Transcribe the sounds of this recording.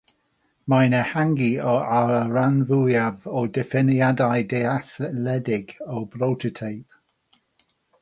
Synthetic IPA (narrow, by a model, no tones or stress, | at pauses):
majnəhaŋɡiɔaləɹanvujavɔdɪfɪnjadajdɛaθlɛdɪɡɔblowtʰətʰejp̚